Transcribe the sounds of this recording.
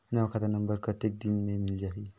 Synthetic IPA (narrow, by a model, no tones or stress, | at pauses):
nakʰat̪anɐmbəɾkɐt̪ek̚d̪inmemild͡ʒaɦi